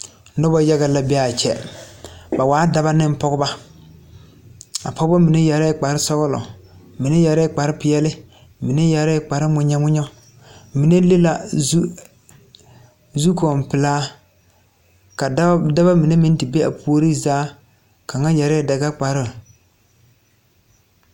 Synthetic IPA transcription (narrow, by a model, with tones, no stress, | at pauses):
nɔ˦ba˦ja˦ɣa˨la˨bɛ˦a˨t͡ʃɛ̰˦ | ba˨waː˨˦da˨ba˦nɪ˦m˦pɔ˦ɡʊ˦ba˦ | a̰˨pʰɔ˦ɡba˦mi˨ne˦ja˨ɾɛ˦k͡pa˨ɾɪ˦sɔ˦ɣʊ˦lɔ̰˨ | mi˨ne˦ja˨ɾɛ˦k͡pa˨ɾɪ˦pɪ˨˦ɛ˦lɪ˦ | mi˨ne˦ja˨ɾɛ˦k͡pa˨ɾɪ˦mʊ˦ɲa˦ŋʊ˦ɲɔ˦ | mi˨ne˦le˦la˨˦ | zu˦kɔ˨m˨pɪ˨laː˦ | ka˨˦da˦ba˦mi˨ne˦mi˦n˦ti˨be˦a̰˨pʰu˦o˦ɾi˦zaː˦ | ka˨ŋa˦ja˨ɾɛ˦˨da˨ɡa˦k͡pa˨ɾɪ˦˨